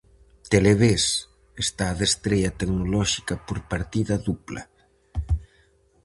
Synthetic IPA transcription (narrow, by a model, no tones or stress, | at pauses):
t̪eleβes | est̪aðest̪ɾeʎɐt̪eknolɔʃi̥kɐpoɾpaɾt̪iðɐðuplɐ̰